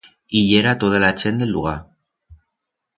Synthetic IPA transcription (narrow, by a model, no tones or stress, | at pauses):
iʎeɾat̪oð̞alat͡ʃend̪elːuɣ̞a